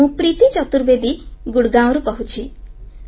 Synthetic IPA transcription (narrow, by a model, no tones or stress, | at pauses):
ũpɾit̪it͡ʃɔt̪uɾbed̪iɡuɽɡãw̃ɾukɔɦut͡ʃʰi